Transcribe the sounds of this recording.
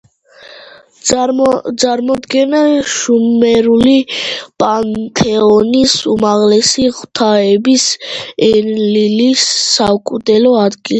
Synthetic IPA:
sʼaɾmɔd̪ɡɛnaʃumɛɾulipʼant̪ʰɛɔnisumaʁlɛsiʁwt̪ʰaɛbisɛnlilisːakʼud̪ɛlɔad̪ɡilɛ

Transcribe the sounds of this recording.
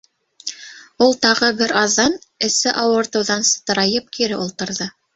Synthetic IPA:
ulˠt̪ɑʁɤbɘɾɑðːɑnɘ̆sɘʔɑwɤ̆ɾt̪ɤ̆wðɑnsɤ̥̆t̪ɤ̆ɾɑjɤp̚kʰiɾɘʔulˠt̪ɤ̆ɾðɤ

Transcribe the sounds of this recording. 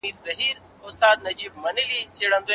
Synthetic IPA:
iːɾzɐɦiːɾ | ʊst̪aːd̪̚nɐd͡ʑiːbmɐnilit͡ɕeːɽə̃nd̪oː

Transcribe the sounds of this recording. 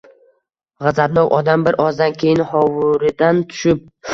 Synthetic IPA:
ʁɑzat̪nɒwʔɒd̪ambɪɾʔɒzd̪ankʲʰe̞jɪnhɒwʊɾɪd̪ant̪ʰʊ̥ʃɪp̚

